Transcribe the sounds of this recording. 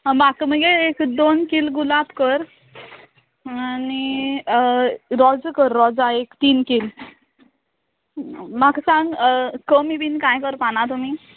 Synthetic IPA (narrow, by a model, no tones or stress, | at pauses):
makməɡeːkd̪onkilɡulabkəɾ | ani | ɾɔd͡zkəɾːɔd͡zaekt̪iːnkil | maksãŋɡkəmibinkajkəɾpañat̪um̤i